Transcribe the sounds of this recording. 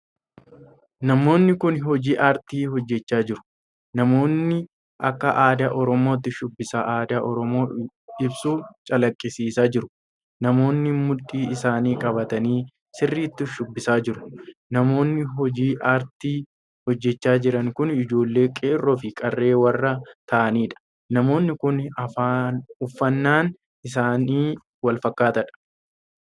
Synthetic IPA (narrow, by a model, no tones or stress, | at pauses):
nɐmo̞ːnːɪkʊnɦɔd͡ʒiːʔaːɾt̪iːɦɔd͡ʒːɛt͡ʃːaːd͡ʒɪɾʊ̥ | nɐmo̞ːnːɪ | ʔɐkːɐʔaːd̪ɐʔɔɾɔmo̞ːt̪ːɪʃʊbːɪsaʔaːd̪ɐʔɔɾɔmo̞ː | ɪbsuːt͡ʃʼɐlɐkʼːɪsiːsaːd͡ʒɪɾʊ̥ | nɐmo̞ːnːɪmʊᶑʼːiːɪsaːniːkʼɐbɐt̪ɐniː | sɪrːiːt̪ːʊʃʊbːɪsaːd͡ʒɪɾʊ̥nɐmo̞ːnːɪɦɔd͡ʒiːʔɐɾt̪iː | hɔd͡ʒːɛt͡ʃːaːd͡ʒɪɾɐŋkʊnɪd͡ʒo̞ːlːe̞ːkʼeːrːoːfɪkʼɐrːe̞ːwɐrːɐt̪ɐʔɐniːᶑɐ̥ | nɐmo̞ːnːɪkʊnɐfaːʊfːɐnːaːn | ɪsaːniː | wɐlfɐkːaːt̪ɐᶑɐ̥